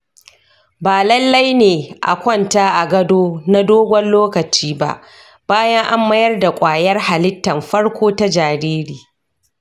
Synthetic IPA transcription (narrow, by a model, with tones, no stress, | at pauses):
baː˨lɐ˦lːɐ˦jneː˨ʔa̰˨kʷɔ˦˨ntaː˦ʔa˨ɡɐ˦doː˦na˦doː˦ɡʷɔ˦nloː˦kɐ˨t͡ʃiː˦ba̰˦ʔ | b̥aː˦jɐ˦ŋʔa˦mːɐ˦jɐ˦rda˨kʷʼaː˨jɐ˦rha˨lɪ˦tːɐ˨mɸɐ˦ɽkʷoː˦ta˦d͡ʒaː˨ɾeː˦ɾiː˨